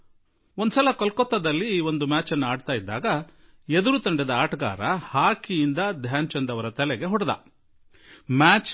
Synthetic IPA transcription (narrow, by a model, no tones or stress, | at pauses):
ond̪usɐlɐkɔlkɔt̪ːɐd̪ɐlːio̞nd̪umaːt͡ʃɐnːuaːɖt̪aːjid̪ːa̰ːɡɐ | ed̪uɾut̪ɐɳɖɛd̪ɐaːʈɐɡa̰ːɾɐhaːkijind̪ɐd̪ʱjaːɲt͡ʃɐnd̪ɐʋɐɾɐt̪ɐlɛɡe̞ɦɔɽɐd̪ɐ̰ | maːt͡ʃ